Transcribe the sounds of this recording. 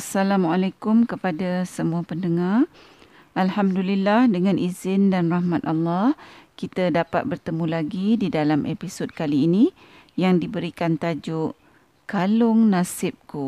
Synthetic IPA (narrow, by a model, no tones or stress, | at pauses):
asalamalakʊmkəpadasəmuapəndəŋar | ʔalhamdulilːahdəŋãnʔizɪndanrahmãt̪alːɑhkit̪adapa̰t̪̚bərt̪əmũlaɡididalamʔepisod̚kaliːnĩ | jaŋdibəɾikant̪ad͡ʒuʔ | kalʊŋnasɪp̚ku